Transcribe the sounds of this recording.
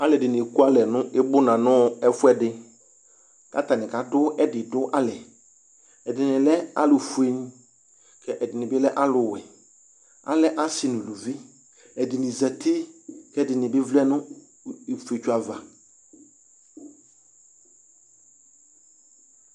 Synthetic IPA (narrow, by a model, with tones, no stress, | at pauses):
a˨˦lɛ˨dɪ˨nɪ˨ku˦a˦lɛ˨nʊ̃˦ʔɪ˦bʊ˦nã˨nʊ̃˦ɛ˦fʊ˦ɛ˦dɪ˨ | ka̰˦t̪a˨nɪ̃˨ka˨dʊ˦ʔɛ˦dɪ˨dʊ˦ʔa˦lɛ˨ | ɛ˨dɪ˨nɪ̃˨lɛ˦a̰˦lʊ˨fu˨e˦ɲ˦ | kʰɛ˦ʔɛ˨dɪ˨nɪ̃˨bɪ˦lɛ˦ʔa˦lʊ˨wɛ˨ | a̰˨lɛ˨ʔa˦sɪ˨nʊ̃˨lu˨vi˦ | ɛ˨dɪ˨nɪ̃˨za˨tʰi˦kɛ˦dɪ˨nɪ̃˨bɪ˦vlɛ˦nʊ̃˦ | e˨fe˨t͡ʃu˦a˨va̰˨